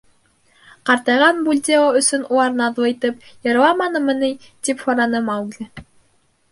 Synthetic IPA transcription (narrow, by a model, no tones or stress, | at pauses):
qɑɾt̪ɑjʁɑnbulʲd̪ʲeoɵ̆sɵnulˠɑɾnɑðuɤ̆jt̪ɤpjɤ̆ɾɤ̆lˠɑmɑnɤmɤ̆nɘj | t̪iphoɾɑnɤmɑwɡlʲɘ